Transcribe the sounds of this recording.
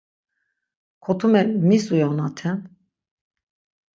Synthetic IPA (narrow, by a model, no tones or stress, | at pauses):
kʰɔt̪ʰumɛmisujɔnat̪ʰɛm